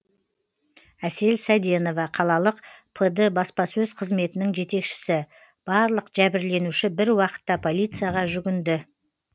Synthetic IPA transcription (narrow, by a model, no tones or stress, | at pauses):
æse̞lsɑjd̪e̞no̞vɑqʰɑlˠɑlˠəqpʰəd̪əbɑspɑsɵzqʰəzme̞t̪ɪnɪŋʒe̞t̪e̞kʃɪ̥sɪ | b̥ɑɾlˠəqʒ̥æbɪɾle̞nuʃɪbɪɾwɑqə̥t̪ːɑpʰo̞lʲˠijt̪sɨjaʁɑʒʏɡʲɪnd̪ɪ